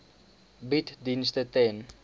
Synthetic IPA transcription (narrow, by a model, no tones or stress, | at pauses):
bitdinstətɛn